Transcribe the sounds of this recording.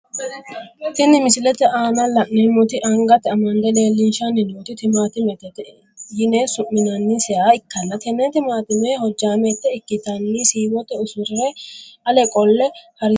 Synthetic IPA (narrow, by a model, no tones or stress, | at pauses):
t̪ːɪnːɪmɪsɪlɛt̪ːɛʔaːnɐlɐʔnɛmʊt̪ɪʔɐŋɡɐt̪ːɛɐmɐnd̪ɛle̞ːlːɪnʃɐnːɪnoːt̪ɪt̪ɪmaːt̪ɪmɛt̪ɛt̪ɛ | jɪnesʊmːɪnɐnːɪsɛjaːɪkːɐnːɐt̪ɛnɛt̪ɪmaːt̪ɪmɛhɔd͡ʒːaːmɛt̪ːɛɪkːɪt̪ɐnːisiːwɔt̪ːɛʊsʊɾɪɾɛʔɐlɛkʼɔlːɛhɐɾɪ